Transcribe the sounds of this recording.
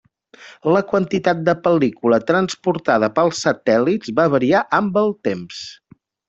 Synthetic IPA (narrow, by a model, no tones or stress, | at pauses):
ləkwənt̪it̪at̪̚d̪əpəlikulət̪ɾənspuɾt̪aðəpəlˠsət̪ɛlidzβaβəɾiaʔəmbəlˠt̪ems